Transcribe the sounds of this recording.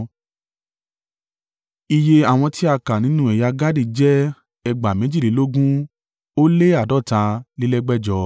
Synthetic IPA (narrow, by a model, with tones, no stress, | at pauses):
i˧je˧a˨w̃ɔ̃˧ti˦a˧ka˨nĩ˨˦nũ˦ɛ˨ja˧ɡa˦di˧˨d͡ʒɛ˦ | ɛ˧ɡ͡ba˨mẽ˨˦d͡ʒi˦˨li˨˦lo˦ɡũ˦ | o˦le˦a˦˨dɔ˦˨tã˧li˦lɛ˦ɡ͡bɛ˦d͡ʒɔ˧